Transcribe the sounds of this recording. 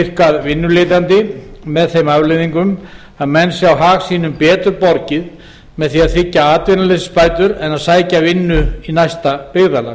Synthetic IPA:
ɪr̥kaðvɪnːʏleːt̪̬ant̪ɪmɛðθejmavlejðiŋkʏm | aðmɛnsjawɦaːɣsiːnʏmpɛːt̪ʏɾpɔɾcɪð | mɛðθiaðθɪcːaaːt̪vɪnalɛsspaːjt̪ʏɾɛnaðsaːjcavɪnːʏinajst̪apɪɣðala̰ː

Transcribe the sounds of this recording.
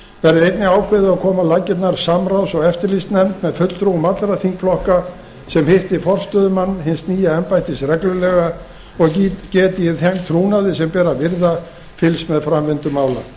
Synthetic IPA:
vɛɾɪejt̪nɪaːwkʰvɪðɪakʰɔːmalaːcɪt̪̬naɾ̥samɾawsɔɣɛft̪ɪɾlist̪nɛmt̪mɛðfœt̪lt̪ɾumat̪lɾaθiŋkflɔhka | sɛmhɪht̪ɪfɔr̥st̪œðʏmanːhɪnsniːjaɛmpajt̪ɪsɾɛklʏlɛɣa | ɔɣcɛːt̪ɪjɪθemt̪ʰɾuːnaðɪsɛmpɛːɾavɪɾða | fɪlsmɛðfɾamvɪnt̪ʏmaːwla̰

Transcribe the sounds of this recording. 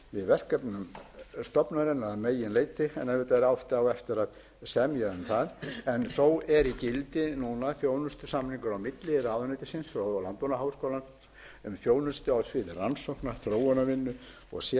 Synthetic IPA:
vɪðvɛr̥kapnʏmst̪ɔpnaɾɪnaðmeːjɪnleːjt̪ɪɛnɛvɪt̪aɾawht̪ɪawɛft̪ɪɾað | sɛmjaʏmθaðɛnθowɛɾicɪlt̪ɪnunaθjoːwlnʏst̪ʏ̥samniŋkʏɾawmɪt̪lɪɾaːðʏnejt̪ɪ̥sɪnsɔlant̪ɔnaɦaːwskowlan | ʏmfjoːwlnʏst̪ʏawsvɪːðɪransowhknaθɾoːwanavɪnːʏ | ɔ̰ɣsjɛ

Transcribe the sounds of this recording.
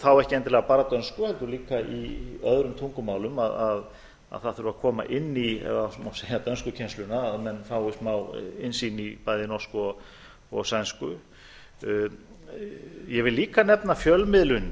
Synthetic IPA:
θawɛhcɪɛnt̪ɪlɛɣapaːɾat̪œnskʏhɛlt̪ʏliːkaʔiœðɾʏmt̪ʰuŋkʏmaːwlʏmaðað | a̰ðθaðθʏɾʏvakʰɔːma̰ʔɪnːiɛ̰ðamawseːjat̪œnskʏcʰɛnst̪lʏnaðmɛnfawɪst̪mawɪnsiːnipajðɪnɔ̥skɔɣ | ɔɣsɛnskʏ | jɛvɪlːiːkanɛpnafjœlmɪðlʏn

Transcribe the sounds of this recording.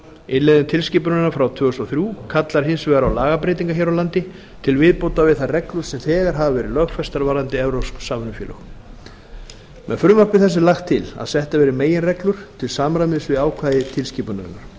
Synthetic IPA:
ɪnlɛðɪt̪ʰɪlsciːpʏɾnʏnːafɾawt̪ʰvʏːɣɛst̪ɔθɾjuːkʰat̪laɾ̥ɦɪnsvɛːɣaɾawlaːɣapɾeːjt̪̬iŋkaçɛːɾawlant̪ɪ | t̪ʰɪlvɪðpoːwt̪avɪðθarɛklʏɾ̥sɛmθɛːɣaɾ̥ɦavavɛːɾɪlœɣfɛst̪aɾvaːɾant̪ɪɛvɾowssːaːmʏnʏfjɛːlʏ̰x | mɛ̰ðfɾʏmapvɪθɛsːɪlaxt̪ʰːɪla̰ðsɛht̪avɛːɾɪmeːjɪnrɛklʏɾ̥t̪ʰɪlsaːmɾamɪðsvɪðaːwkʰvaːðɪt̪ʰɪlsciːpʏnʏ̰nːaɾ̥

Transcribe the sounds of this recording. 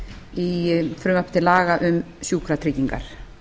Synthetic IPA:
ifɾʏmahpt̪ɪlaːɣaʔʏmsjuːkʰɾat̪ʰɾiːciŋka̰ɾ̥

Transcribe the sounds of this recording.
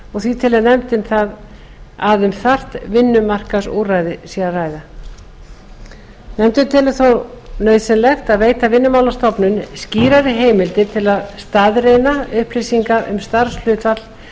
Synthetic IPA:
ɔɣθvit̪ʰɪlɛðnɛmt̪ɪnθað | aðʏmθar̥t̪vɪnːʏmar̥kasṵːraːjðɪsiaraːjða | nɛmt̪ʏt̪ʰɪlθownœːɥðsɛnlɛxt̪aðveːjt̪avɪnːʏmaːwlast̪ɔpnʏnsciːɾaɾɪɦeːjmɪlt̪ɪt̪ʰɪlaðst̪aðrejnaʏhplisiŋkaʔʏ̰mst̪aɾ̥sl̥ʏːt̪vat̪l̥

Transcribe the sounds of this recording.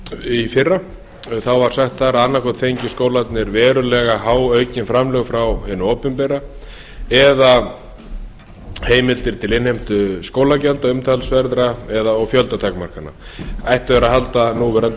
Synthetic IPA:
ifɪrːa | θawvaɾ̥saxt̪θaɾaanːakʰɔt̪fejɲcɪskoːwlat̪nɪɾvɛːɾʏlɛɣaɦaːwœɥcɪnfɾamlœɣfɾawhɪnːʏoːpʏmpɛɾa | ɛða | heːjmɪlt̪ɪɾ̥t̪ʰɪlɪnhejm̥t̪ʏskoːwlacɛlt̪aʏmt̪ʰalsvɛɾðɾaɛðaɔɣfjœlt̪at̪ʰakmar̥kanːa̰ajht̪vɛɾaɦalt̪anuvɛɾan

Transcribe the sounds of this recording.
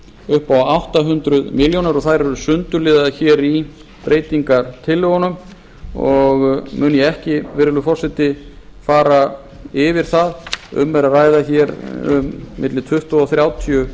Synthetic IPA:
ʏhpawawht̪aɦʏnt̪ɾʏðmɪljownaɾɔɣθaðɾɛɾʏsʏnt̪ʏlɪːðaçɛːɾi | pɾʔeːjt̪iŋkaɾ̥t̪ʰɪlːɪɣɔnʏm | ɔɣmʏːnjɛɛhcɪvɪɾɪlʏfɔrsɛt̪ɪfaːɾa | ɪvɪɾ̥θaðʏ̰mvɛɾaraːjðaçɛɾʏ̰mːɪt̪lɪt̪ʰʏht̪aɔθɾjaːwt̪ʰiʏ

